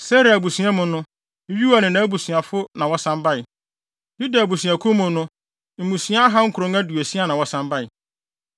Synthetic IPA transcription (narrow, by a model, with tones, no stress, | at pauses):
sɛ˦ɾa˨bu˨sɥã˦mʊ̃˨nʊ̃˦ | ɥi˦wa˨nɪ̃˨nã˨˦bu˨sɥa˨fʊ˦nã˨wɔ˦sã˦mba˦ɪ˨ | ju˦da˨bu˨sɥa˨kʰʊ˦mʊ̃˨nʊ̃˦ | m̩˨mũ˨sĩ˨˦a˦a˦ɦa˦ŋ̩˦kʰɾõ˨˦ŋæ˦du˨e˨si˦a˨nã˨wɔ˦sã˦mba˦ɪ˨